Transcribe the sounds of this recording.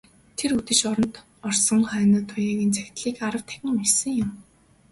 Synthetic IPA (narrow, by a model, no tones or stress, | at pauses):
t̪ʰeɾut̪ɘ̆ʃɔɾɞ̆nt̪ | ɔrsɞ̆ŋχœːnə̆ːt̪ʰːʊjaːɣĭnt͡sʰæxʲt̪ɮiːkaɾə̆wt̪ʰæ̥xʲɪ̆ŋersɘ̆ŋjʊm